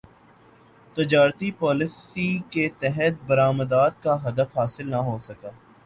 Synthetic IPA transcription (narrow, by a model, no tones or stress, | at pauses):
t̪ɪd͡ʒaːɾt̪ipɔːlɪsiket̪ɛɦɛt̪̚bɐɾaːməd̪aːt̪̚kaɦɐd̪əfɦaːsɪlnɐɦoːsɐkaː